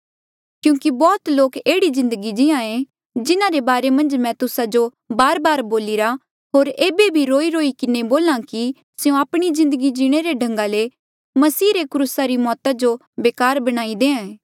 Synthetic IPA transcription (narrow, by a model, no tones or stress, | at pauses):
kjũːkibɔːt̪loːkeːɽizɪ̃nd̪əɡid͡ʒɪãẽ | d͡ʒɪnãɾebaːɾemɐ̃nd͡ʒmɛ̃t̪ʊsad͡ʒo | baːɾbaːɾboːlɪɾa | ɦoːɾeːbebʱiɾoːiɾoːikɪneboːlãki | sjũaːpɽ̃izɪ̃nd̪əɡid͡ʒiɽ̃eɾeɖʱɐ̃ŋɡale | mɐsiːɾekɾuːsaɾimɔːt̪ad͡ʒo | beːkaːɾbɐɽ̃aːid̪eːãɛ